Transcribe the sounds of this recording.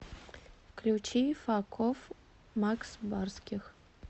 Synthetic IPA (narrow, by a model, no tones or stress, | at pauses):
klʲut͡ɕifakʰof | maksbarskʲɪx